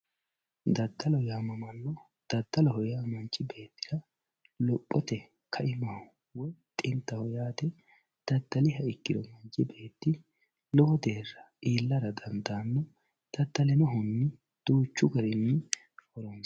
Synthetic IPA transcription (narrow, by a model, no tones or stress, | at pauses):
d̪ɐd̪ːɐlɔjaːmɐmɐlːɔ | d̪̥ɐd̪ːɐlɔɦɔjaːmɐnt͡ʃʼːɪbe̞ːt̪ːɪd̪ɐ | lɔpʼːɔt̪ɛ | kʰɐʔɪmɐ | wɔjt̪ʼɪnt̪ːɐhɔjaːd̪ɛ | d̪̥ɐd̪ːɐlɪɦɐɪkːɪd̪ɔmɐnt͡ʃʼːɪbe̞ːt̪ːɪ | lɔwɔd̪e̞ːrːɐʔiːlːɐɾɐd̪ɐnd̪aːnːɔ | d̪̥ɐd̪ːɐlɪnɔɦʊnːɪ | d̪̥uːt͡ʃːʊɡɐɾɪnːɪ | hɔɾɔns